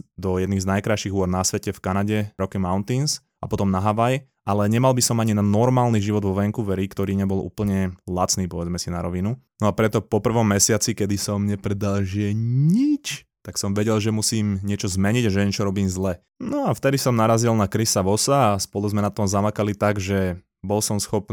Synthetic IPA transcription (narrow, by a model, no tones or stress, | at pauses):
d̪ɔjɛd̪niːznajkɾajʃiɣuɔɾnasʋɛcɛfkanaɟɛɾɔkimaʊnt̪ins | apɔt̪ɔmnaɦaʋaj | ʔalɛɲɛmalbisɔmaɲinanɔɾmaːlniʒiʋɔd̪ʋɔʋɛŋkuʋɛɾikt̪ɔɾiːɲɛbɔlʔṵːpl̩ɲɛlat͡sniːpɔʋɛd͡zmɛsinaɾɔʋinunɔapɾɛt̪ɔpɔpr̩ʋɔmːɛsɪat͡sikɛd̪isɔmɲɛpɾɛd̪alʒɛɲit͡ʃ | t̪aksɔmʋɛɟɛlʒɛmusiːmɲɪɛt͡ʃɔzmɛɲiɟaʒɛɲɛt͡ʃɔɾɔbiːmzlɛ | nɔaft̪ɛd̪isɔmnaɾazilnakɾisaʋɔsaːspɔluzmɛnat̪ɔmzamakalit̪aɡʒɛ | bɔlsɔmsxɔp̪